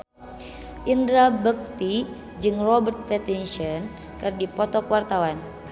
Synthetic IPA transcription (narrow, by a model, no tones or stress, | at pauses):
ʔindɾabək̚t̪i | d͡ʒɨŋrɔbərt̪̚pɛt̪inʃɔn | kɨrdipɔt̪ɔkwart̪awan